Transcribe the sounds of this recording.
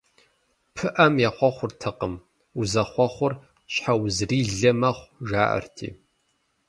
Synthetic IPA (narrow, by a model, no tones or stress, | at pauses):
pʰɨʔɐmjaχʷɔχʷʊrtʰɐqəm | uzɐχʷɔχʷʊr | ɕħawzriːɮɐmɐχʷʒaːʔɐ̰rtʰḭː